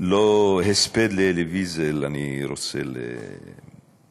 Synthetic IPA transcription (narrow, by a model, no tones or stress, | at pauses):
loɦesped̪lelevizelaniɾoselːḛ